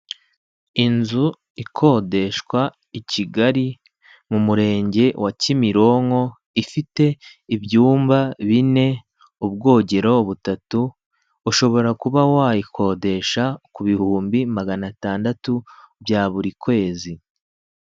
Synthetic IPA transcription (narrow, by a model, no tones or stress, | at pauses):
inzu | ikʰo̞ːde̞ʃkwa | iciɡaɾi | mumuɾe̞ːɲɟe̞wʔacimiɾo̞ŋo̞ | ifite̞iβjuːmbaβine̞ | ub̚ɡo̞ːɟe̞ɾo̞βutatuː | ʃo̞βo̞ɾakuβawaikʰo̞ːde̞ʃakuβihuːmbimaɡanataːndatubjaːβuɾikwe̞ːzi